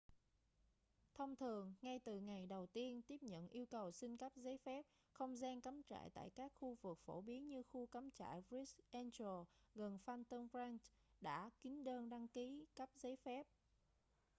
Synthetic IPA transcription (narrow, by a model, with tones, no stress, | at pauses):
t̪ʰə˧wŋ͡mt̪ʰɨ˨˩əŋːa˧jt̪ɨ˨˩ŋa˨˩jɗə˨˩wt̪i˧ənt̪i˦˥əp̚ɲə̰˧˨nʔi˧əwkə˨˩wsi˧ŋ̟ka˦˥p̚zə˨˦jfɛ˦˥p̚ | xə˧wŋ͡mzɛ˧ŋka˨˦mt͡ɕa̰ː˧˨jt̪a̰ː˧˨jkaː˦˥k̚xu˧vɨ˨˩k̚fo̰˧˩ɓi˨˦ənɲɨ˧xu˧ka˨˦mt͡ɕa̰ː˧˨jɹi˦˥sʔɛ˧nt͡ɕo˨˩ɣə˨˩nfa˧nt̪ə˧nfɹaː˧nɗa̰ː˧˥kï˨˦ŋ̟ɗəː˧nɗa˧ŋki˨˦ka˦˥p̚zə˨˦fɛ˦˥p̚